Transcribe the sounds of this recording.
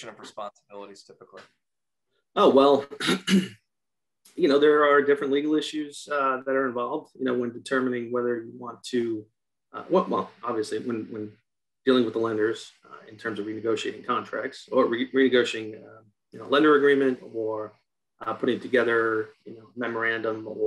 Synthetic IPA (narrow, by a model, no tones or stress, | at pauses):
ɨ̃nʌvɹɨspɑ̃nsəbɪlˠəɾiz̥tʰɪpəkli | oʊwɛlˠ | jɨnoʊðə˞ə˞dɪfɹɨ̃nʔˡliɡl̩ˠɪʃʉz̥ðɨɾə˞ɨ̃ɱvɑlˠvdjɨñoʊwɨ̃ndɨtʰɜ˞mɨnɪ̃ŋwɛðə˞jɨwɑ̃ntʰɨ | wɛwɛ̰lˠɑbviɨsliwə̃nwə̃n | d̥ilˠɪ̃ŋwəðəlɛ̃ndə˞z̥ | ɨ̃ntʰɜ̃˞mzʌvɹinɨɡoʊʃieɪɾɪ̃ŋkʰɑ̃ntʰɹ̥æ̰k̚tsə˞ɹiɹinɨɡoʊʃiɪ̃ŋ | jɨnoʊlɛ̃ndə˞ɨɡɹĩmɨ̃ntə˞ | ʔpʰʊɾɪ̃ŋtʰɨɡɛðə˞jɨnoʊmɛmə˞æ̃ndə̃mə